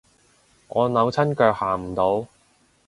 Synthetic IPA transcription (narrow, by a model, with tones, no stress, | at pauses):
ŋɔː˨˧nɐ˨˧wt͡sʰɐ˥nkœː˧k̚haː˨˩m̩˨˩t̪o˨˧w